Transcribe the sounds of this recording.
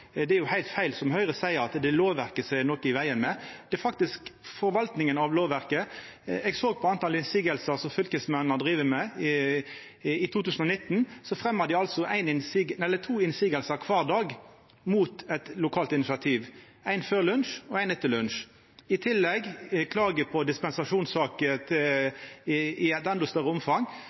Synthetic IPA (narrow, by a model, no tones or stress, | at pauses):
d̪ɛæɾjʊhæɪlt̪fæɪlsɔmhœʏʁəsæɪəɾɑt̪d̪ɛloːʋʋæʁkəsænɔkɪʋæɪənmɛd̪̥ɛɛfɑk̚t̪ɪskfɔɾʋɑlt̪nɪŋənɑʋloːʋʋæʁkə | ɛɡsoːɡ̚pʰɔɑnt̪ʰɑlɪnsiːɡəlsəʁsɔfʏlkəsmɛnnəd̪ʁiːʋəmæ | ɪt̪ʰuːt̪ʉːsn̩ɔnɪt̪ːnsɔfʁɛmːɑd̪ɪɑlsɔʔæɪnɪnsiːɡ̪ɛlːət̪ʰuːɪnsiːɡəlsəkʰʋɑʁd̪ɑːɡ | muːt̪ɛt̪lʊkʰɑːlt̪ɪnɪsɪɑt̪ʰiːʋ | æɪnføːʁlʉnʂɔæɪnɛt̪ːəlʉnʃ | ɪt̪ʰɪlːɛɡkʰlɑːɡəpʰɔd̪ɪspɛnsɑʂuːnsɑːkət̪ʰ | ɪæt̪ɛnd̪ɔʊst̪œʁəʊmfɑŋ